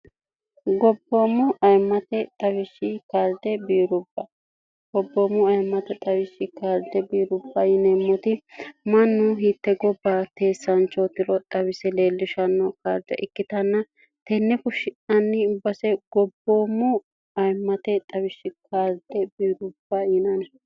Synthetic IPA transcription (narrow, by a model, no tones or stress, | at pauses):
ɡɔbːoːmʊʔɐjmːɐt̪ɛt̪ʼɐwɪʃːɪkaːɾd̪ɛbiːɾʊb̥ːɐ | ɡ̥ɔbːoːmʊɐjmːɐt̪ɛt̪ʼɐwɪʃːɪkaːɾd̪ɛbiːɾʊbːɐjɪnɛmːɔt̪ɪmɐnːʊɦiːt̪ːɛɡɔbːat̪e̞ːsːɐnt͡ʃːɔt̪ɪlɔt̪ʼɐwɪsɛle̞ːlːɪʃɐnːɔkaːɾd̪ɛ̰ʔɪkːɪt̪ɐnːɐ | t̪ɛnːɛkʊʃːɪnɐnːɪʊbːɐsɛɡ̥ɔbːoːmʊ | ɐjmːɐt̪ɛt̪ʼɐwɪʃːɪkaːɾd̪ɛbiːɾʊb̥ːajɪnɐn